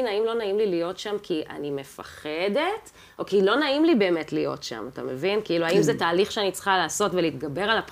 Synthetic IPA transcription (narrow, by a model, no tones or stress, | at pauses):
naimlo̞naimlilijo̞tʃamkʰiʔa̰nime̞fa̰χede̞t | o̞kilo̞naimlibe̞ːmetlijo̞̰tʃa̰mata̰me̞vinkiiluaimzɛtaːliχʃeanit͡sχalaːso̞tveliːt̪ɡabe̞ʁalap